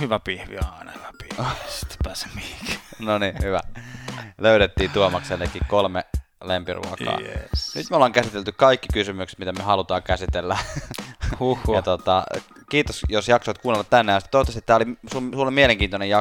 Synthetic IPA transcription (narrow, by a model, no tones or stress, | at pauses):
hyʋæpihʋḭɑˑinɑhyʋæpi̥hsi̥t̪ːpæse̥mmiiknonihyʋæ̰ | løyɾet̪ːiːt̪uomɑkselːekːikkolme | lempirṵɑkɑ̰ːsnyt̪molːˑɑːŋkæsit̪elt̪ykkɑikːikysymykst̪mit̪æmyøhɑlut̪ɑːkæsit̪elːæ | jɑt̪ot̪ɑ | kiːt̪osjosjɑksoːt̪kuːnːelːɑt̪t̪ænːejɑsit̪t̪oˑt̪ːɑst̪i̥t̪ːæːolisulsulːolimieleŋkiːnt̪onejɑ